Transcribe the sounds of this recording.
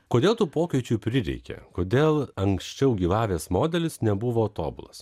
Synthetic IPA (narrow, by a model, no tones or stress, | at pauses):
koːd̪ʲeːlˠt̪uːpoːkʲɛɪt͡ʃʲupʲɾʲɪɾʲɛ̰ɪkʲɛ̰koːd̪ʲeːlˠɐŋksʲt͡ʃʲɛʊɡʲiːʋɑːʋʲeːsmoːd̪ʲɛlʲɪsnʲɛbʊʋoːot̪o̰ːbʊ̰lˠɐs